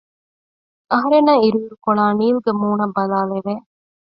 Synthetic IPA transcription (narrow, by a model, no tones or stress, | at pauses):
ɐɦɐɾenɐiɾuɾukoɭaːniːluɡɐmuːɳɐbɐlaːleʋeː